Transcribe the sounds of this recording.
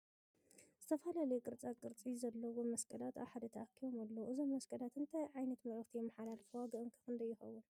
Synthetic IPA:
z̥ɨt̪ʰɐfalalɐjukʼɨɾt͡sʼakʼɨɾt͡sʼizɐlːɐwomɐskʰʼɐlat̪a̰βħad̪ɐt̪ʰɐʔakʰːiβomalːɐʔɨzomːɐskʰʼɐlat̪ɨnt̪ʰajʕajnɐt̪mɐɾɨxt̪ʰijɛmːaħalalɐfɨwaɡɐʔɨŋkʰɨ̥xɨnd̪ɐjːɪxɐwːun

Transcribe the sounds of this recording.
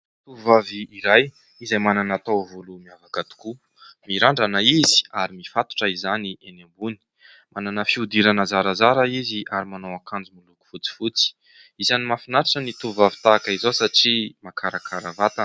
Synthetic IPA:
t̪uvaviːɾaj | izajmananat̪owvolumiavakat̪u̥ku | miɾaɳɖ͡ʐanaizi̥aɾimifat̪u̥ʈ͡ʂaizaniʔenambuni̥ | mʔananəfiud̪iɾanazaɾazaɾaiziʔaɾimanowakand͡zumuluku̥fut͡si̥fut͡si̥ | izanimafinaɾaʈ͡ʂənit̪uvavi̥t̪aːkaizosaʈ͡ʂimakʰaɾakʰaɾavat̪a

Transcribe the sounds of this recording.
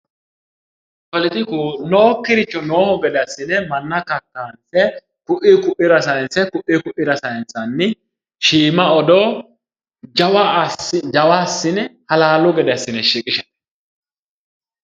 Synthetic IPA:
fɔlɪt̪ɪkunoːkːɪɾɪt͡ʃːɔno̞ːhɔɡɛd̪ɐsːɪnɛmɐnːɐkɐkːansɛ | kʊʔɪkʊʔɪɾɐsɐjnsɛkʊʔɪkʊʔɪɾɐsɐjnt͡sːɐnːɪ | ʃiːmɐɔd̪ɔ | d͡ʒɐwaɪd͡ʒɐwasːɪnɛhɐlaːlʊɡɛd̪ɐsːɪnɛʃiːkʼɪʃɛn

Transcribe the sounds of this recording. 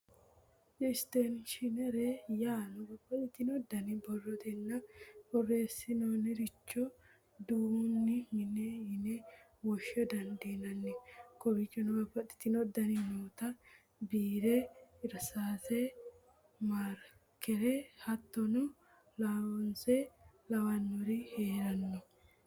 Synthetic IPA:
ɪst̪ɛnʃɪnɛɾɛjaːnʊɡɐbɐt̪ɪt̪ːɪnɔd̪ɐnɪbɔrːɔt̪ɛnːɐbɔrːe̞ːsːɪnoːnɪɾɪt͡ʃːɔ | d̪uːnːɪmɪnɛhɪnɛ | wɔʃːɔd̪ɐnd̪iːnɐnːɛkɔbɪt͡ʃʼːɔnʊɡɐbːɐt̪ɪ̥t̪ːɪnɔd̪ːɐnɪmoːt̪ɐ | biːɾɛɪɾsaːsɛ | maːɾ | kɛɾɛhɐt̪ːɔnʊ | lɐwɔnsɛlɐwɐnːɔɾɪheːɾɐnːɔ

